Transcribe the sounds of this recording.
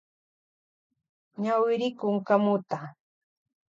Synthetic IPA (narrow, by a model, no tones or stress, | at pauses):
ɲawɪɾɪkʊŋkamʊt̪a